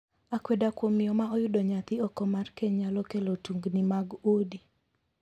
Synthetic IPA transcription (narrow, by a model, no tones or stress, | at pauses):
akwedakwomiɔmaɔjʊdɔɲat̪ɪɔkɔmarkeɲalɔkelotuŋɡnimaɡodi